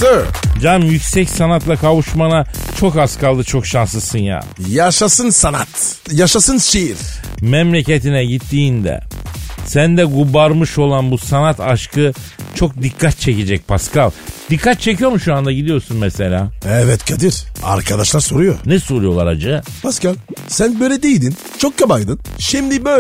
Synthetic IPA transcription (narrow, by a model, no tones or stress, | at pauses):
t̪ɯd͡ʒamjycʲsɛcsanat̪lˠakʰavuʃmanat͡ʃʰo̞kaskʰalˠd̪ɯt͡ʃʰo̞kʃanslˠɯsɯnja̰ː | jaʃasɯnsanat̪ | jaʃasɯnʃejiɾ | mɛmlʲecet̪inɛɟit̪ʰːiːnd̪ɛ̰sænd̪ɛɡubaɾmɯʃo̞lˠanbusanat̪ʰaʃkɯt͡ʃʰo̞k̚d̪ikʰːat̪̚t͡ʃʰeced͡ʒɛc̚pʰaskalˠd̪̥ikʰːat̪̚t͡ʃʰe̞cʰijo̞ɾmuʃuand̪aɟid̪ijo̞ɾsunmɛse̞lʲaːɛvɛt̪kʰad̪iɾ̥a̰ɾkʰad̪aʃlˠaɾsoɾujonɛsoɾujo̞lˠaɾad͡ʒɯpʰaskalˠsænbøjlʲɛd̪ejd̪in | t͡ʃʰok̚kːʰabajd̪ɯnʃimd̪ibø